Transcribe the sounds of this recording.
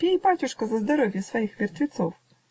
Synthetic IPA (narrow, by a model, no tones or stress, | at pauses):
pʲijpɑtʲuʃkɔzɐzd̪ɐɾɔʋʲjɐsʋɔjixʋʲirt̪ʋʲit̪sɔw